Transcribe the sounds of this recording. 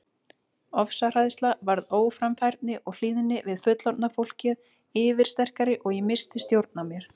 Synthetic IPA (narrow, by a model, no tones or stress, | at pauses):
ɔfsar̥aðst̪lavaɾðoːwfɾamfajɾt̪nɪʔɔɣl̥iːðɪnːɪvɪðfʏt̪lawɾt̪nafowl̥cɪð | ɪːvɪɾ̥st̪ɛr̥kaɾɪʔɔɣjɛmɪst̪ɪst̪jowɾt̪̚namjɛɾ̥